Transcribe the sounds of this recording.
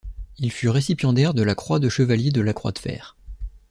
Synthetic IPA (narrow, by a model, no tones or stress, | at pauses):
ilfyʁesipjɑ̃d̪ɛʁd̪əlakχwad̪əʃəvaljed̪əlakχwa̰d̪əfɛ̰ːʁ